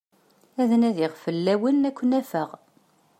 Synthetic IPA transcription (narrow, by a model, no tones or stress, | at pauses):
æðnæðɪʁfəlːæwənækʷːənæfəʁ